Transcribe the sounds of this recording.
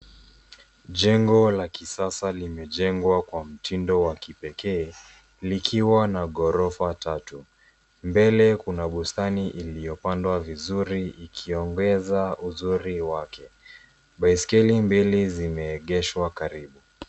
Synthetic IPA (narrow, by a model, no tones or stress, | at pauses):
ʄɛŋɡɔlakisasalimɛʄɛŋɡwakwam̩tʰindɔwakipɛkɛː | likʰiwanaɠɔɾɔfatatu | mbɛlɛkunaɓustaniʔilijɔpandwavizuɾiikʰiɔŋɡɛzauzuɾiwakʰɛ | ɓaiskɛlimbilizimɛːɠɛʃwakaɾiɓu